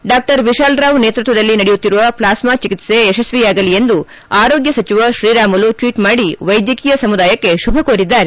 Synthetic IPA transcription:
ɖaːk̚ʈɐɾʋiʃaːlɾaːʋneːt̪ɾut̪ʋɐd̪ɐlːinɐɽejut̪ːiɾuʋɐplaːsmaːt͡ʃikit̪se̞ːʃɐsʋiaːɡɐlie̞nd̪u | aːɾo̞ːɡjɐsɐt͡ʃiʋɐʃɾiːɾaːmɐluʈʋiːʈmaːɽiʋɐjd̪jɐkiːjɐsɐmud̪aːjɐkːe̞ʃubʱɐkoːɾid̪ːaːɾe

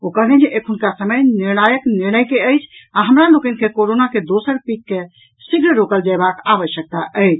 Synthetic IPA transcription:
okəned͡ʒeʔekʰunkasəməjniɾnajəkniɾnəjkeəjt͡ʃʰaɦəmɾalokənkekoɾonaked̪osəɾpikːe | siɡɾɾokəld͡ʒaebakaʋəʃjək̚t̪aʔəɪt͡ʃʰ

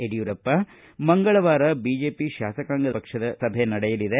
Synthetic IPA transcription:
eɽijuɾɐpːɐ | mɐŋɡɐɭɐʋaːɾɐbiːd͡ʒeːpiʃaːsɐkaːŋɡɐd̪pɐkʂɐd̪ɐsɐbʱenɐɽɛjɐlid̪e

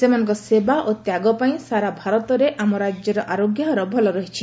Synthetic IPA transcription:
semanɔ̃ŋkɔsebaʔot̪jaɡɔpaĩsaɾabʱaɾɔt̪ɔɾeʔamɔɾad͡ʒjɔɾɔʔaɾoɡjaɾɔbʱɔlɔɾɔɦit͡ʃʰi

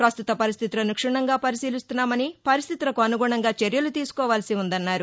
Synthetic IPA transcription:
pɾɐst̪ut̪ɐpɐɾis̬t̪ʰit̪ulɐnukʂɐɳɐŋɡaːpɐɾisiːlist̪unːaːmɐnipɐɾist̪ʰit̪ulɐkuɐnuɡuːɳɐŋɡaːt͡ʃeɾjɐlut̪iːsu̥kɔːʋaːlɐsiund̪ɐnːaːɾu

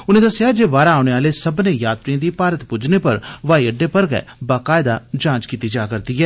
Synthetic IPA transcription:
ʊnẽːd̪əsɪjaːd͡ʒeːbaːɾaːʊñeːaːleːsəbneːjaːt̪ɾiãːd̪iːpaːɾət̪pʊd͡ʒneːpəɾʋaːiːəɖeːpəɾɡɛ̰ɛ̰ːbaːkaːɪd̪aːd͡ʒãːt͡ʃkiːt̪iːd͡ʒaːkəɾd̪iːɛː

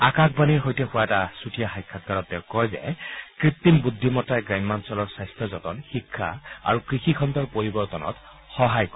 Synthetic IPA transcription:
akak̚baniɹɦojtɛxʊwaɛtasutʰijaxajkʰːakːaɹɔt̚tɛʊ̃kɔjzɛ̰kɹit̪ːimbud̪ʱːimɔtajɡɹajmmːansɔlɔɹsajstʰɔzɔtɔ̰nxikʰːa̰a̰ɹukɹixikʰɔnd̪ɔɹpoɹibɔɹtɔnɔ̰t | xɔɦajkɔ

